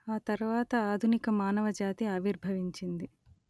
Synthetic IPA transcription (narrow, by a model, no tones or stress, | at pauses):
aːt̪ɐɾuʋaːt̪ɐaːd̪ʱunikɐmaːnɐʋɐd͡ʒaːt̪iɐːʋiɾbʱɐʋiɲt͡ʃind̪i